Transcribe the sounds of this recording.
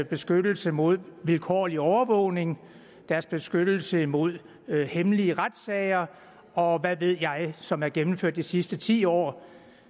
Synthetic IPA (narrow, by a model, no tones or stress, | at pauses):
b̥e̝sɡ̥ød̥l̩səmo̝ð̞̰ˠʋilkʰɒ̰ːliɒʊɐʋɔʊ̰ne̝ŋ | d̥æɐsb̥e̝sɡ̥ød̥l̩səimo̝ð̞̰ˠ | hemliəʁad̥sɛɪɐ | ɒ̽ʋæʋe̝ð̞̰ˠjɑ̈ɪsɒ̽mæɐɡ̥emm̩føɐ̰d̥isisd̥ət͡sʰḭːɒ̰ː